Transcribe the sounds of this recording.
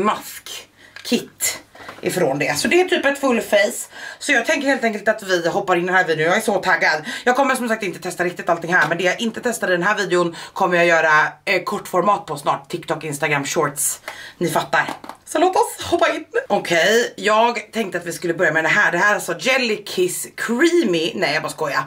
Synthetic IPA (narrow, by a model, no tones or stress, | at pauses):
maskʰː | ɪt̪ːʔɪ̰fɾoːnd̪ɛsɔd̪ɛæʈʰyːpɛt̪fɵlːfejssɔjɑːɡ̚t̪ʰɛŋkəɾheːlt̪ɛŋkəlt̪at̪vɪɦɔpːaɾɪnd̪ɛnhæːɾviːd̪ɪʊnjɑːɡæʂɔt̪ʰaɡːad̪jɑːɡkʰɔmːəʂɔmsak̚t̪ɪnt̪ət̪ʰɛst̪aɾɪk̚t̪ɪt̪alt̪ɪŋhæːɾmɛnd̪ɛjaʔɪnt̪ət̪ʰɛst̪ad̪əd̪ɛnɦæːɾviːd̪ɛʊnkʰɔmːəɾjajœːɾakʰɔʈːfɔɾmɑːt̪̚pʰɔsnɑːʈt̪ʰɪkt̪ʰɔkɪnst̪aɡɾamɕɔːɾt̪snɪfat̪ːaɾsɔloːp̪ɔshɔpːaɪnɔkʰɛjjɑːɡt̪ʰɛŋkt̪əat̪vɪskɵlːəbœɾjamɛd̪ɛnɦæːɖɛɦæːɾalsɔd͡ʒɛlːɪkʰɪskʰɾiːmɪnɛjbaskɔja̰